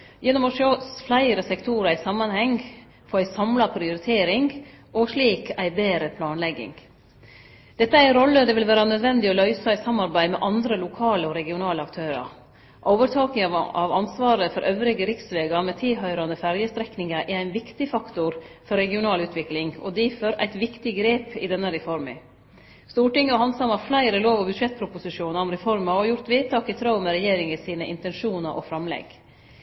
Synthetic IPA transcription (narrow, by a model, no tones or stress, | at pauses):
jɛnːɔmɔʂøflæɪɾəsɛkt̪ʰuɾɑɪsɑmːɑnhɛŋ | fɔːæɪsɑmlɑpʰɾɪʊɾɪt̪ʰeːɾɪŋʔɔʂɭiːkæɪbeːɾəpʰlɑːnlɛɡɪ̰ŋ | d̪̥ɛt̪ːəæɪɾɔlːəd̪ɛːʋɪlʋæːɾɑnœd̪ʋɛnd̪ɪɔlœʏsɑæɪsɑmːɑɾbæɪmɛʔɑnd̪ɾəlʊkʰɑːləɔɾɛɡɪʊnɑːləɑkt̪ʰøːɾɑ̰ɾ | ʔoːʋəɾʈ̪ʰɑːknɪŋɑʋɑnsʋɑːɾəfɔɾʔøʋɾɪɡəɾɪksʋeːɡɑmɛt̪ʰɪlɦœʏɾɑnəfæɾjəst̪ɾɛknɪŋəʔɛɾæɪnʋɪkt̪ɪfɑkt̪ʊɾfɔɾɛɡɪʊnɑːlʉːt̪ʰʋɪklɪŋɔ̰d̪iføɾʔæ̰ɪt̪ʋɪkt̪ɪɡɾeːpɪ̰d̪ɛnːəɾɛfɔɾmɪ̰ | st̪uːʈɪŋːəɔhɑnsɑmɑflæɪɾəloːʋɔbʉd̪ʂɛt̪̚ːpʰɾʊpʊsɪʂuːnɑɾɔmɾɛfɔɾmɑɔjʊɾt̪ʋeːd̪̚t̪ʰɑːkɪt̪ʰɾɑʊmɛɾɛjeːɾɪŋəsiːnəʔɪ̰nt̪ɛnʂuːnɑɾʔɔ̰fɾɑmlɛ̰ɡ